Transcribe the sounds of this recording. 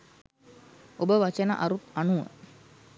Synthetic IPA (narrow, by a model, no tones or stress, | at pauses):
obəʋat͡ʃənə̰ʔaɾut̪anuʋə̰